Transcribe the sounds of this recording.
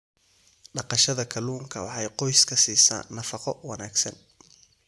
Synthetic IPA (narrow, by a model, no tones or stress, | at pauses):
ɖɑqɑʃɐðɐkʰɐluːŋkʰɐwɑħɑjqɔjskʰɐsiːsa̰ːnːɐfɑqɔwɑnaːɡsɐn